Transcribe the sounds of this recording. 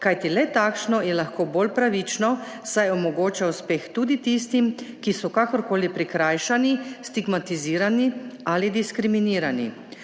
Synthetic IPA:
kajt̪ilɛt̪akʃnɔjɛlaxkoːboːlpɾaʋit͡ʃnɔ | sajɔmɔɡoːt͡ʃauspeːxt̪uːd̪it̪ist̪imkisɔkakɔɾkoːlipɾikɾaːjʃanist̪iɡmat̪iziːɾanialid̪iskɾiminiːɾanḭ

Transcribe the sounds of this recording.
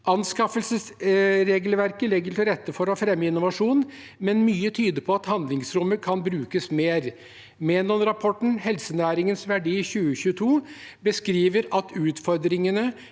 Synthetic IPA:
ʔɑnskɑfəlsəsɾeːɡlʋæɾkəlɛɡəɾt̪ʰɪlɾɛt̪ːəfɔɾɔfɾɛmːəɪnːʊʋɑʂuːn | mɛnmyːət̪ʰyːd̪əpʰɔɑt̪hɑnd̪lɪŋsɾʊmːəkʰɑnbɾʉːkəsmeːɾ | meːnɔmɾɑpʰɔʈɳ̩hɛlsənæːɾɪŋənsʋæɖiːçʉːəɕʉːt̪ʰuː | bəskɾiːʋəɾɑt̪ʉːt̪fɔɾd̪ɾɪŋənə

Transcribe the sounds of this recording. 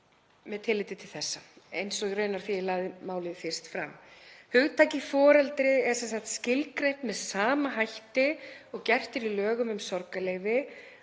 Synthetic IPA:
mɛðt̪ʰɪlːɪjt̪ɪt̪ʰɪlθɛsːaḛjnsɔɣɾœɥnaɾ̥θiɛɣlaːɣðɪmaːwlɪfɪr̥st̪fɾa̰mːhʏɣt̪ʰaːjcifɔːɾɛlt̪ɾɪɛɾsɛnsaxt̪scɪlkɾejht̪mɛðsaːmaɦajht̪ɪɔɣcɛr̥t̪ɪɾilœːɣʏmʏmsɔɾkaleːjvɪ

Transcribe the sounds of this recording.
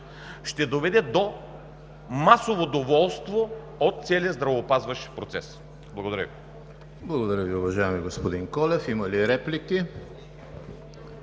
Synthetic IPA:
ʃt̪ɛd̪ovɛd̪ɛd̪o | masovod̪ovɔlˠst̪vo | ot̪̚t̪sɛliəzd̪ɾɐvopazvɐʃpɾot̪sɛs | blˠɐɡod̪ɐɾʲə̰vi | blˠɐɡod̪ɐɾʲəviʊvɐʒajɛmiɡospod̪iŋkɔlɛfimɐliɾɛpliki

